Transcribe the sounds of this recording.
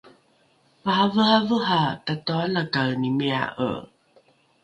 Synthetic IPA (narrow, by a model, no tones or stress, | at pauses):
maɦavəhavəɦatatoanakalnimea̰ʔə̰